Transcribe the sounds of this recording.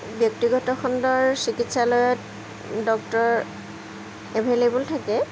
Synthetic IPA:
bjɔk̚tiɡɔtɔxɔndɔɹsikitsalɔjɔt | dɔk̚tɔɹ | ɛbʱelebultʰakɛ

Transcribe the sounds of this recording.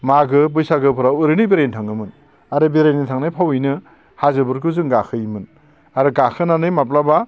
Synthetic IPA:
maɡɯbɯjsaɡɯpʰɯɾawɯɾɯnibeɾejntʰaŋɯmɯn | aɾɯbeɾejnitʰaŋnajpʰawɯjnɯ | hazɯbuɾɡɯzɯŋɡakʰɯjimɯn | aɾɯɡakʰɯnanɯjmap̬laba

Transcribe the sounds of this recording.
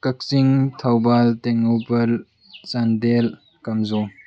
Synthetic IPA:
kɐk̚siŋtʰawbalteŋowpɐl | sandel | kɐmzɔ

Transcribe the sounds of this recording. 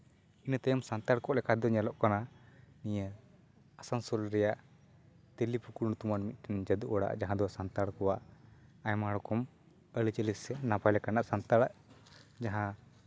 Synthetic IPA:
int̪ɛjəmsant̪aɽkɔʔlɛkʰad̪ɔɲɛlɔʔkananijə | asansɔlɾɛjaʔ | t̪elipukuɽnut̪umanmit̪̚ˀʈɛnd͡ʒəd̪uʔɔɽa̰ʔd͡ʒaɦãd̪ɔasant̪aɽkɔwaʔajmaɽɔkɔm | əlit͡ʃəlissɛnapajlɛkanaʔsant̪aɽaʔd͡ʒaɦã

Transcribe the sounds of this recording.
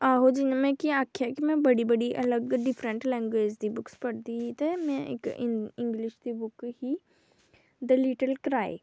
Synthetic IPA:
aːɦod͡ʒɪnmẽkiaːkʰjakimẽbɐɽibɐɽiʔɐləɡɖɪfɾə̃ɳʈlɛ̃ːŋɡweːd͡ʒd̪ibʊkspɐɽt̪iɦit̪ɐmẽɪ̰kɪɪ̃ŋɡlɪʃd̪ibʊkɦi | d̪əliːʈəlkɾaːḛ

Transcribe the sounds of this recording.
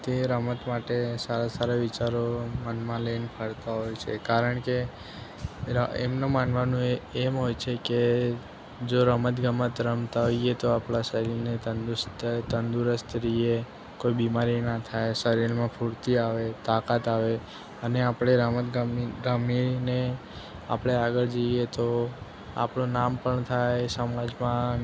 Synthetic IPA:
t̪eɾəmət̪maʈesaɾasaɾaʋɪt͡ʃaɾomənʋãləinepʰəɽt̪aɦojt͡ʃʰekaɾəɳke | ḛmnomanʋanũeemɦojt͡ʃʰeke | d͡ʒoɾəmət̪ɡəmət̪ɾəmt̪aɦoiet̪oapɭasəɾilnet̪ənd̪ust̪t̪ənd̪uɾəst̪ɾie | koibimaɾinat̪ʰajsəɾilmãpʰuɾt̪iaʋet̪akat̪aʋe | əneapɽ̃eɾəmət̪ɡɾamine | a̰pɽ̃eaɡəɭd͡ʒeiet̪o | a̰pɳũnampəɳt̪ʰajsəmãd͡ʒmã

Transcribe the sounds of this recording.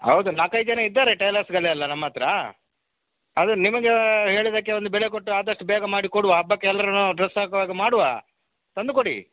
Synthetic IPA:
hɐ̰wd̪unaːkɐjd͡ʒɐnɐid̪ːaːɾeʈejlɐːsɡɐɭeɐlːɐnɐmːɐt̪ɾɐ | ɐd̪unimɐɡeɦe̞ːɭid̪ɐkːeond̪ubɛɭek̬oʈːuaːd̪ɐʂʈubɛːɡɐmaːɽikoɽuʋɐːbːɐkɛːlɐɾɐnːuɖɾesːaːkɐʋaːɡemaːɽuʋa̰ | t̪ɐnd̪ukoɽḭ

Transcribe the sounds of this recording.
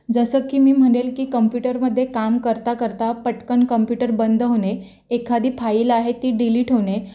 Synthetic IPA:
d͡zəsəːkiːmiːm̤əɽelkiːkəmpjuʈəɾməd̪ʱːjekamkəɾt̪akəɾt̪apəʈkəɳkəmpjuʈəɾbənd̪ʱəɦone | ekʰad̪ʱiːfʰailaɦet̪iːɖiliːʈɦone

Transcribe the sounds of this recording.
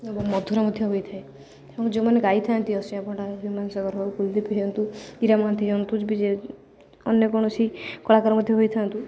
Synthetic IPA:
obɔmɔd̪ʱuɾamɔd̪ʱjɔɦojt̪ʰae | ebɔŋkd͡ʒemaneɡajt̪ʰant̪iɔsĩapɔɳʈaɦimansɔɡɔɾɦɔwkuld̪ipiɦɔnt̪uiɾamãt̪ʰiɦɔnt̪ud͡ʒbid͡ʒe | ɔnjɔkɔɽ̃ɔsʰikɔɭakaɾɔmɔd̪ʱjɔɦojt̪ʰant̪u

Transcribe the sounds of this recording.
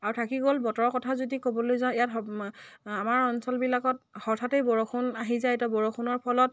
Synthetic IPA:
aɹutʰakiɡolbɔtɔɹɔkɔtʰazodikobɔlojzãʊ̃ijatɔ | amaɹɔnsɔlbilakɔt̚hɔɹtʰatejbɔɹɔxʰunaɦizaɛtɔbɔɹokʰunɔɹpʰɔlɔt̚

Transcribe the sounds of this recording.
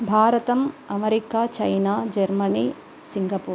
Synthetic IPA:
bʱaːɾɐt̪ɐmɐmeɾikaːt͡ʃɐjnaːd͡ʒɐɾmɐniː | siŋɡɐpuː

